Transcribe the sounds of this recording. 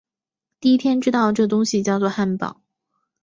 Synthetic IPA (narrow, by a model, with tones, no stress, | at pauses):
t̪i˥˩i˥t̪ʰjɛ˥nʈ͡ʂɻ̩˥t̪ɑ˥˧ʊʈ͡ʂɤ˥˩t̪ʊ˥ŋɕi˨t͡ɕjɑ˥˧ʊt͡swɔ˥˧xa˥˩npɑ̰˨˩˦